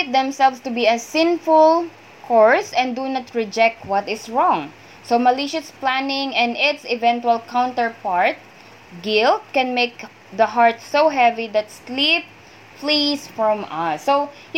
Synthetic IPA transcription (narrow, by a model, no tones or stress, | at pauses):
t̪̚d̪ɛ̃msɛlvst̪ʊbiɐsɪ̃nfʊl | kʰɔɹsɛ̃nd̪unat̪ɹɪd͡ʒɛk̚t̪̚wʌt̪ɪsɹɔ̃ŋ | somɐliʃʊsplænɪ̃ŋɛ̃nɪt̪sɪvɛ̃nt̪wɐlkãw̃nt̪əɹpaɹt̪̚ | ɡɪlt̪̚kɛ̃nmek | d̪ɐɦaɹt̪̚sowɦɛvid̪ɐt̪slip̚ | flisfɹɔ̃mʌso